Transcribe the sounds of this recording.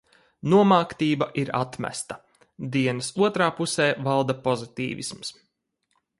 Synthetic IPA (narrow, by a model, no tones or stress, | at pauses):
nuɔmaːkt̪iːbaʔiɾa̰t̪mæ̰st̪a | d̪iɛnɐsuɔt̪ɾaːpusɛːvalˠd̪apɔzit̪ḭːvḭsms